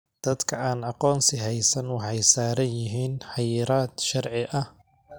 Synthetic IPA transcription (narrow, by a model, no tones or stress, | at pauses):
d̪̥ɐd̪kʰɐaːnɑqɔːnsɪɦɛjsɐnwɑħɑjsaːɾɐjɪɦiːnħɑjɪɾaːd̪ʃɑrʕɪʔɐh